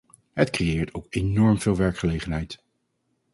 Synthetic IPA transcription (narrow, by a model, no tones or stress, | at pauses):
ɦətkrejɪːɹtʰowkenɔɹmv̥ɪːlˠʋɛɹkχəlejχənɦɛjt